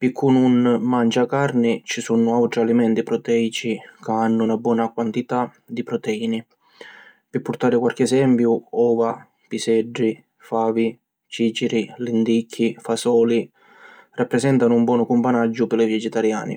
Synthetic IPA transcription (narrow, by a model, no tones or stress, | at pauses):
pɪkʰːununmant͡ʃakarnɪt͡ʃisunʊawʈ̪ɾialimɛnt̪ipɾɔt̪ɛit͡ʃikaanːʊunabwɔːnakwant̪it̪a | d̪ipɾɔt̪ɛiːnɪ | pɪpːʊɾt̪aːɾɪkwalk̟ɪɛsɛmpjuɔːva | pisɛɖːi | faːvi | t͡ʃiːt͡ʃiɾilind̪ikʰːifasɔːli | rʔapːɾɛsɛnt̪anʊumbwɔːnʊkumpanad͡ʒːʊpɪlɪvɛd͡ʒɛt̪aɾja̰ːnɪ̰